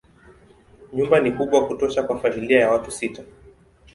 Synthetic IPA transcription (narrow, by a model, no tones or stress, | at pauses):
ɲumbanikuɓwakutɔʃakwafamiliajawatusita